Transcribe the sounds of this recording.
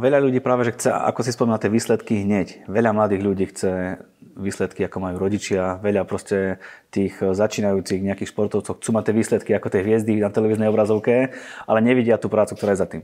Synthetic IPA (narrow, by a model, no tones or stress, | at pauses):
ʋɛʎaʎuɟiːpɾaːʋɛʒɛxt͡sɛa̰kɔsispɔmiːnat̪ɪɛʋiːslɛt̪kiɦɲɛcʋɛʎamlad̪iːɣʎuɟiːxt͡sɛ | ʋiːslɛt̪kiakɔmajuːɾɔɟit͡ʃɪaʋɛʎapɾɔscɛt̪iːxzat͡ʃiːnajuːt͡siɣɲɛakiːxʃpɔɾt̪ɔʊt͡sɔʊxt͡suːmat̪ɪɛʋiːslɛt̪kiakɔt̪ɛjɦʋɪɛzd̪inat̪ɛlɛʋiːznɛjɔbɾazɔʊkɛa̰lɛɲɛʋiɟɪat̪uːpɾaːt͡sukt̪ɔɾaːjɛzat̪iːm